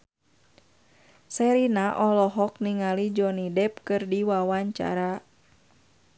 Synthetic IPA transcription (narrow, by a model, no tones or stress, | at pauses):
sɛɾinaʔɔlɔɦɔk̚niŋalid͡ʒɔnidɛp̚kɨrdiwawaɲt͡ʃa̰ɾa